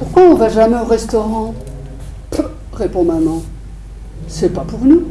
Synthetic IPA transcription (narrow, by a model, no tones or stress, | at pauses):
puʁkwaɔ̃vaʒamɛɔʁɛst̪ɔʁɑ̃ | ʁepɔ̃mamɑ̃ | sɛpapuʁnu